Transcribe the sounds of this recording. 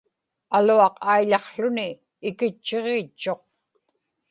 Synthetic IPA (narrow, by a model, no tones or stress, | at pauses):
aluɑqajʎɑχɬʊniː | kɪt͡ʃːeʁeːt͡ʃːo̞q̚